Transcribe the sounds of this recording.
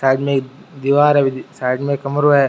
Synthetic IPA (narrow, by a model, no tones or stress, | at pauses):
saːɪɖmẽk | d̪iʋaːɾɦɛbʱisaːɪɖmẽkɐmɾoɦɛ